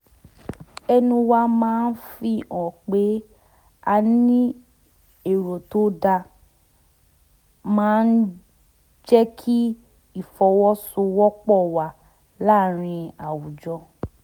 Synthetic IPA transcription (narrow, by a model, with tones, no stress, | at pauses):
ɛ˧nũ˧wa˧mãː˦n̩˦fi˧ɔ̃˨k͡pe˨˦ | a˧nĩ˦ | e˨ɾo˨to˨˦da˧ | mãː˦n̩˦ | d͡ʒɛ˦kʰi˦ | i˦˨fɔ˧wɔ˦su˧wɔ˦k͡pɔ˦˨wa˨ | la˦˨ɾ̃ĩ˧a˨wu˨d͡ʒɔ˧